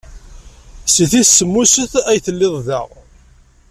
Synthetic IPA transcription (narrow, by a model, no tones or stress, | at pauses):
siθisːəmːusəθæjθəlːɪðˤðæ̰ʁ